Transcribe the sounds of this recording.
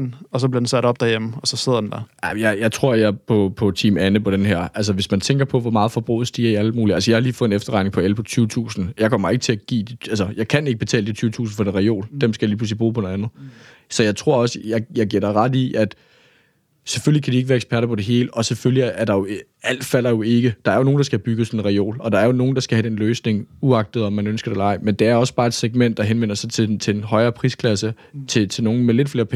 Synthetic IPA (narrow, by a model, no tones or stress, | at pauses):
nɒ̽sɒbleɐd̥ensæɾɒ̽b̥̚d̥æjemm̩ɒ̽sɒ̽se̝ð̰ˠɐdend̥æaɪmjɑɪjɑ̈ɪt͡sʰʁo̝ɐ̰jɑpʰɒ̽pʰɒ̽t͡sʰiːmænəpʰɒ̽ɾ̥enɦæɐ̰ʔæls̬əʋe̝smænt͡sʰeŋɡ̥ɐpʰɒ̽ʋɒmɑ̈ːð̩ˠfɒ̽b̥ʁo̰ðˠsd̥iæɐiælmuːliælsəjɑ̈hɑ̈liːfɔ̽ð̩ˠe̝nefd̥ɐʁɑ̈ɪne̝ŋpʰɒ̽elpʰɒ̽t͡sʰyːʊət͡sʰṵːsn̩jɑ̈ɪkʰɒ̽m̰ɐe̝ɡ̥t͡sʰe̝læɡ̥ḭːd̥iælsəjɑ̈ɪkʰæne̝ɡ̥əb̥e̝t͡sʰɛ̰ːləd̥it͡sʰyːʊət͡sʰṵːsn̩fɒd̥enʁɑo̝̰ːld̥emsɡ̥æjɑliːpʰluslibʁṵːpʰɒ̽nonænð̩ˠ | sɒ̽jɑ̈ɪt͡sʰʁo̝ɐ̰ɒ̽səjɑ̈ɪjɑ̈ɪɡ̥iɐɾ̥ɑ̈ɪʁɑ̈d̥iæd̥ | sefølikʰæd̥ie̝ɡəʋæːɐeɡ̥sb̥ʰæɐɾɐpʰɒ̽ɾ̥e̝ɦe̝ːləʔɒ̽seføljiæɐɾ̥ɑ̈jo̝ | æl̰d̥fæl̰ɐjo̝e̝ɡ̥əd̥ɑ̈æɐjo̝no̝ːn̩dɑ̈sɡ̥æb̥yɡ̥əsɒnenʁɛo̝̰ːlɒ̽d̥ɑ̈æɐjo̝no̝ːn̩d̥ɑ̈sɡ̥æhæd̥enløːsne̝ŋuɑ̈ɡ̥̚d̥ð̩ˠɒmːænønsɡ̥ɐd̥elɑ̈ɪ̰mend̥e̝æɐɒ̽sb̥ɑ̈ːe̝d̥seɡ̥̚men̰d̥ːɑ̈ɦenʋen̰ɐsɑ̈ɪt͡sʰe̝t͡sʰe̝nɦɒ̽ɪɐːpʰʁiskʰlæsə | t͡sʰe̝t͡sʰe̝no̝ːn̩mele̝d̥fle̝ːɐpʰ